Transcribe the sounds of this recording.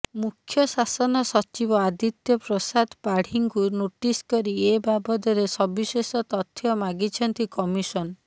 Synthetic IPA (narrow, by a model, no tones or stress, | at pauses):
mukʰːjɔsasɔnɔsɔt͡ʃibɔad̪it̪jɔpɾɔsad̪paɽ̤iŋkunoʈiskɔɾiebabɔd̪ɔɾesɔbisesɔt̪ɔt̪ʰːjɔmaɡit͡ʃʰɔnt̪ikɔmisɔn